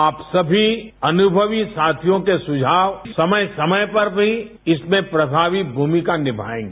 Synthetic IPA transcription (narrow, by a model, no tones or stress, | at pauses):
aːpsɐbʱiɐnʊbʱəʋisaːt̪ʰijõkesʊd͡ʒʱaːʋsɐməjsɐməjpɐɾbʱi | ɪsmẽpɾɐbʱaːʋibʱuːmikanɪbʱa̰ːẽːŋɡe